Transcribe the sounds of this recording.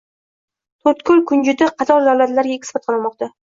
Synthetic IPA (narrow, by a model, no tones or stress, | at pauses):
t̪ʰɵɾt̪kʰʊlkʰʊnd͡ʒɪd̪aqʰɑt̪ʰɒɾd̪awlat̪laɾɡʲaek̪ʲfɑt̪qʰɑlˠɪmɒq̚t̪a